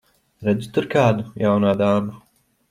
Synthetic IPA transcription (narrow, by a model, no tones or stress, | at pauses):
ɾɐd̪ut̪ɨɾkaːd̪ujaːwnaːd̪aːmɐ